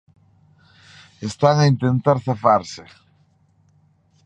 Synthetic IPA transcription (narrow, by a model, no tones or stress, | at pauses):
est̪aŋaint̪ent̪aɾθafaɾsɪ